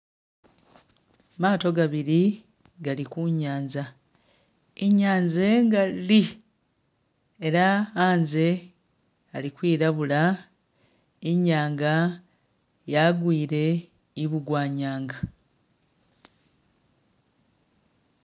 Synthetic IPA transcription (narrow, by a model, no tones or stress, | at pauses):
maːto̞ɡaβiɾi | ɡalikuɲːaːɲza | iɲːaːɲze̞ŋɡali | e̞ɾaaːnze̞ | alikwiːɾaβula | iɲːaːŋɡa | jaɡwiːɾe̞ | iβuɡwaːɲaːŋɡa